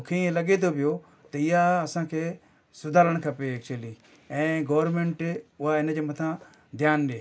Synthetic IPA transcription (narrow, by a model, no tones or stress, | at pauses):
kʰeẽlɐɠet̪ʰopɪjo | t̪ɐɪjaɐsãːkʰeː | sʊd̪ʱaːləɽ̃kʰɐpeɛːk̚t͡ʃuəliː | ɛ̃ːɡoːʋəɾmẽːɳʈʊɦaɪnəd͡ʑemɐt̪ʰã | d̪ʱjaːnɗeː